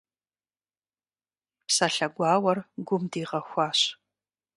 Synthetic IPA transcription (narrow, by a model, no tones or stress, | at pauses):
psaɬɐɡʷɑːwɐrɡʷʊmdiːʁɐxʷɑːɕ